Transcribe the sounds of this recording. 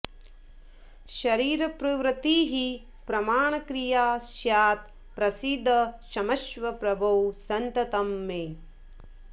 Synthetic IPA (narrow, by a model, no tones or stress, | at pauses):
ʃɐɾiːɾɐpɾɐʋɾɐt̪iːɦi | pɾɐmaːɳɐkɾijaːsjaːt̪̚ | pɾɐsid̪ʱːɐʃɐmɐʃʋɐpɾɐbʱɐwsɐnt̪ɐt̪ɐmːeː